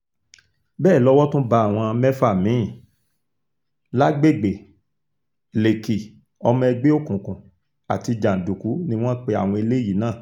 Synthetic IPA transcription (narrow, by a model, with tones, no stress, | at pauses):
bɛː˦˨lɔ˦wɔ˦tũ˦ba˧a˦˨w̃ɔ̃˧mɛ˦fa˦˨mĩ˨˦˨ | la˦ɡ͡be˦˨ɡ͡be˨ | le˨ki˨ | ɔ˧mɔ̃˧ɛ˧ɡ͡be˦o˦˨kũ˨kũ˨ | a̰˨ti˧d͡ʒa˨n̩˨du˨ku˨˦nĩ˧w̃ɔ̃˦k͡pe˧a̰˨w̃ɔ̃˧i˧le˦ji˨˦nãː˦˨